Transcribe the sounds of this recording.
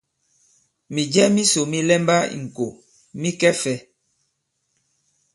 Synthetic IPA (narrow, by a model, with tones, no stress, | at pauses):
mi˨d͡ʒɛ˦mi˦so˨mi˦lɛ˦mba˦ḭ˨ŋ̩˨ko˨ | mi˦kɛ˦fɛ˦